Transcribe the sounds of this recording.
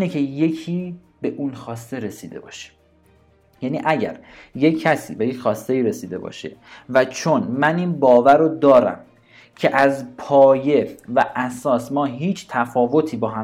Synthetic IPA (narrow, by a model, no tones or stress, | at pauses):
necʰe̞je̞cʰiː | be̞ʔunxɒːst̪e̞ɾe̞siːd̪e̞̰bɒ̰ːʃe̥ | jæniʔæɟæ̰ɾjecʰːæsḭːbe̞jecxɒːst̪e̞iːɾe̞siːd̪e̞̰bɒ̰ːʃe̞̰væt͡ʃʰonmæniːnbɒːvæɾod̪ɒːɾæ̰m | cʰe̞ʔæzpʰɒːje̞væʔæsɒːsmɒːɦiːt͡ʃʰt̪ʰæfɒːvo̞t̪ʰiːbɒːɦæ